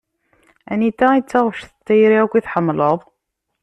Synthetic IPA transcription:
ænit̪ːæit͡sːaʁəʃθə̥t͡sːæjɾiækʷːiθħəmːləðˤ

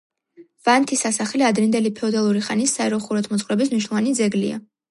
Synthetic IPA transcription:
vant̪ʰisasaχliad̪ɾind̪ɛlipʰɛɔd̪alˠuɾiχanisːaɛɾɔχuɾɔt̪ʰmɔt̪sʰʼχʼwɾɛbis̬mniʃ̬nɔlɔvanid̪zɛɡlḭa̰

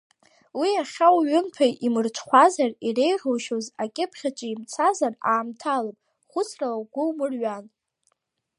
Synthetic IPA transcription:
wiaχʲawɥɪmtʰajʔimɨrt͡ʃʷʰχʷazarire̞jʁowʃozakʲʼɪpʰχʲat͡ʃʼɪimt͡sʰazaraːmtʰalapʼ | χʷʊt͡sʰrawɡʷʊwmɨrɥan

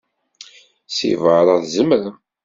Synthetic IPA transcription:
sḭvəɾˤəðzəmɾa

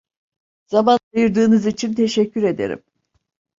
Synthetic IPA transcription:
z̥amand̪ɯjɯɾd̪ɯːnɯzit͡ʃʰint̪ʰe̞ʃɛcʰːyɾe̞d̪e̞̰ɾḭm

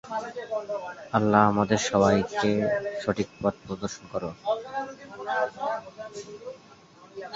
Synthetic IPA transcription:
alːaamad̪eɾʃɔbajkeʃoʈʰik̚pat̪̚pɾod̪oɾʃonkɔɾo

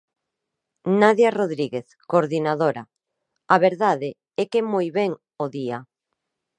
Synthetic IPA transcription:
naðjaroðɾiɣeθ | koɾðinaðoɾa | aβeɾðaðe | ɛkemojβɛŋ | oðia

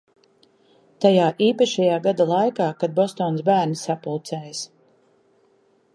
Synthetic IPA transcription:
t̪ajaːʔiːpaʃɛjaːɡad̪alˠajkaːkad̪̚bɔst̪ɔːnsbæːɾnisapulˠt̪sɛːjs

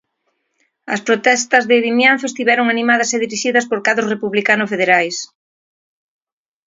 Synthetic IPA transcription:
ɐ̰spɾot̪ɛst̪ɐzðɪðimjãnθoest̪iβɛɾoŋanimað̞ɐseðiɾiʃiðɐspoɾkaðʊsrepuβlikanʊsfeðeɾajs

